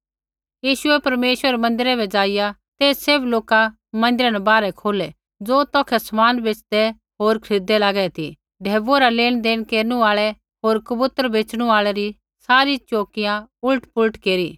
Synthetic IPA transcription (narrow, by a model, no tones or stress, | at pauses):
jiːʃʊɛpɐɾmeːʃwəɾmɐ̃nd̪ɪɾɛbɛd͡zaːɪjat̪eːssebloːka | mɐ̃nd̪ɪɾanɛbaːɾɛkʰoːlɛ | d͡zoːt̪ɔːkʰɛsɐmaːnbeːt͡ʃd̪ɛ | ɦoːɾkʰɾid̪ɛlaːɡɛt̪ʰḭ | ɖʱeːʋoɾaleːñd̪eːnkeːɾnuaːɭɛ | ɦoːɾkɐbʊt̪ɾbeːt͡sɽ̃ũaːɭɛɾi | saːɾit͡ʃoːkɪjãʊlʈpʊlʈkeːɾiː